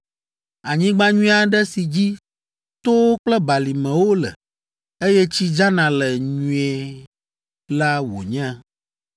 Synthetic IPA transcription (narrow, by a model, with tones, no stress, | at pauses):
a˨ɲĩ˦ɡ͡bã˦ɲũ˦a˨ɖɛ˦si˨d͡ʑi˦ | t̪o˦wo˦k͡plɛ˦ba˨li˨mɛ̃˨wo˦lɛ̰˨ | e˦jɛ˦t͡ɕi˦d͡ʒa˦nã˨lɛ˨ɲũ˨ɛ˨ | la˦wo̰˨ɲɛ̃˦